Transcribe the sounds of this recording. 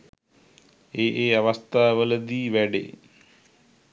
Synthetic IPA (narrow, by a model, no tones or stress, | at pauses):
eːʔeːɐʋɐst̪ʰaːʋələd̪iːʋɛɖḛ